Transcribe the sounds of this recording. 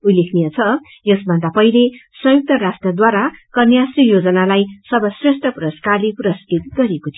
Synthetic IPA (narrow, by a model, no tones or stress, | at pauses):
ulekʰnijʌt͡sʰʌ | jʌsbʱʌnd̪apʌilesʌ̃juk̚t̪ʌɾasʈrʌd̪waɾakʌnjasrijod͡zʌnalajsʌbʌsresʈʰʌprʌskarleprʌskit̪ɡʌɾekot̪ʰijo